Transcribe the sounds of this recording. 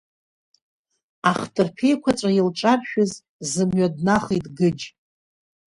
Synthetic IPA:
aχtʰʼɨrpʰe̞jkʷʰat͡ʃʷʼailʈ͡ʂʼapʃᶣʊz | zɨmɥadnaχijtʼɡɨd͡ʒ

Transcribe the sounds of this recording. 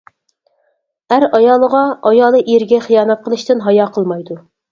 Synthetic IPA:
æɾɑjɑːlˠəʁɑɑjɑːlˠɨʔiɾɡʲɛχijɑːnɛt̪̚qʰəlˠɨʃt̪ɨnɦɑjɑqʰəlˠmɑjd̪u

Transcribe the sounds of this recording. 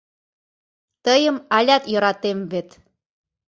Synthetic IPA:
t̪əjə̆mɑlʲɑt̪jɤ̆ɾɑt̪emβet̪

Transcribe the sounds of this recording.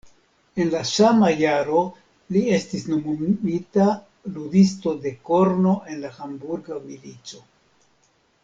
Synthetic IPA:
e̞nlasamajaɾo̞ | lie̞stisno̞mumita | ludisto̞de̞ko̞ɾno̞ʔe̞nlaxambuɾɡamilit͡so̞

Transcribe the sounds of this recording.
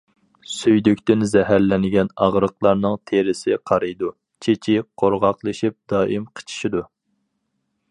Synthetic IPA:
syjd̪ykʲt̪ɪnzɛɦæɾlɛnɪɡʲɛnɑʁɾəqlˠɑɾnɨŋt̪ʰeɾɪsɪqʰɑɾɨjd̪u | t͡ʃʰet͡ʃʰiqʰoɾʁɑqlˠɨʃip̚d̪ɑːʔimqʰə̥t͡ʃʰi̥ʃid̪u

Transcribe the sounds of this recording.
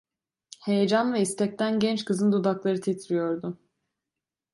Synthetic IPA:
he̞jed͡ʒanvɛist̪ʰɛc̚t̪ʰænɟɛnt͡ʃkʰɯzɯnd̪od̪aklˠaɾɯt̪ʰet̪ʰɾijo̞ɾd̪ʊ

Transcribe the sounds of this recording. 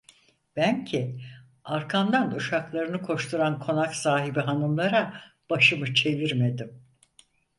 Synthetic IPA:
b̥æncʰi | aɾkʰand̪anuʃaklˠaɾɯnɯkʰo̞ʃt̪ʰuɾankʰo̞naksaːɦibiɦanɯmlˠaɾa | b̥aʃɯmɯt͡ʃʰe̞viɾme̞d̪im

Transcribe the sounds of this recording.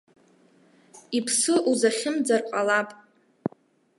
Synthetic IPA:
ipʰsɨʔuzaχʲɪmd͡zarqʷʼalapʼ

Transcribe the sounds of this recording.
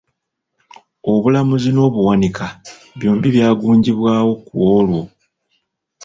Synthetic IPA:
o̞βulamuzino̞ːβuwanika | βjo̞ːmbiβjaːɡuːɲɟiβwaːwo̞kuwolwo

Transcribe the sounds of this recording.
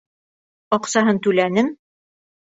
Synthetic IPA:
ɒqsɑɦɤnt̪ʉlænɘm

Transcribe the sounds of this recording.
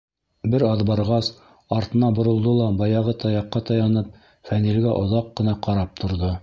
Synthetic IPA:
bɘɾɑðbɑɾʁɑs | ɑɾt̪ɤ̆nɑbŏɾŏlˠd̪ɤlˠɑbɑjɑʁɤt̪ɑjɑqːɑt̪ɑjɑnɤp̚ | fænilɡæʔŏðɑqːɤ̆nɑqɑɾɑp̚t̪ʰŏɾðo

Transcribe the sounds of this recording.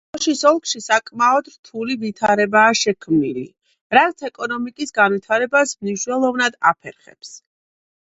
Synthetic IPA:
ʃisɔlˠkʰʃisakʼmaɔd̪ɾt̪ʰulivit̪ʰaɾɛbaːʃɛkʰmnilḭ | ɾat̪sʰɛkʼɔnɔmikʼisɡanwit̪ʰaɾɛbasmniʃnwɛlˠɔvnad̪a̰pʰɛ̰ɾχɛ̰ps

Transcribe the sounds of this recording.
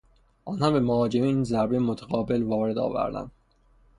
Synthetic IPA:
ʔɒːnhɑmbe̞mohɒːd͡ʒemeiːnzæɾbejemot̪ʰeɣɒːbe̞lvɒːɾe̞d̪ɒ̰ːvæ̰ɾd̪æ̰nd̪̥

